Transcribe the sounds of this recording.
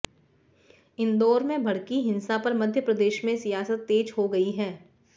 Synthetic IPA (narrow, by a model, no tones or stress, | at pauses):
ɪ̃nd̪ɔːɾmẽbʱɐɽkiɦɪ̃nsapɐɾmɐd̪ʱjəpɾɐd̪eːʃmẽsijaːsət̪ːeːd͡ʒɦoɡɐiɦɛː